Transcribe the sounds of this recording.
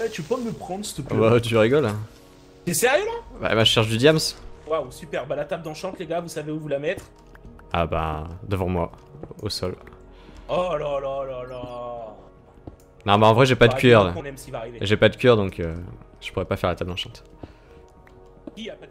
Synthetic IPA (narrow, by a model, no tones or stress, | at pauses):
ɛt̪yøpɔ̃əməpχɑ̃d̪ʁsət̪əpbat̪yʁiɡɔlã | sesɛʁjølaba̰maʒəʃɛʁʃ̬d̪yd̪jamswawsypɛʁbalat̪abd̪ɑ̃ʃɑ̃t̪leɡavusaveuvulamɛt̪χ | aba̰d̪əvɑ̃mwaosɔl | ɔlalalala | nɔ̃baɑ̃vʁɛʒepad̪əkɥɛʁlãnɛmsivaʁiveʒepad̪əkɥɛʁd̪ɔ̃kʰøʒ̥ə̥puʁɛpafɛʁlat̪ab̚d̪ɑ̃ʃɑ̃t̪ | ijapad̪